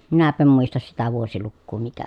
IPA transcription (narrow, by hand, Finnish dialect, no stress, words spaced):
minæpˑæ em muistɑs sitæ ʋuosilukːuː mikæ